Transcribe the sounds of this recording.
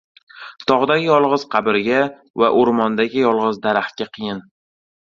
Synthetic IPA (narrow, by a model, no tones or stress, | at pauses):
t̪ʰɒʁd̪aɡʲɪjɒlˠʁɨz̥qʰɑbɪɾɡʲa | va̰ʔoɾmɒnd̪aɡʲɪjɒlˠʁɨzd̪aɾahkʲaqʰɨjɪn